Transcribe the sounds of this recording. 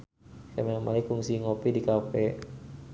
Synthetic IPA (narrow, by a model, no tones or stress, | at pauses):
kamenamalikfuŋsiŋopidikapɛ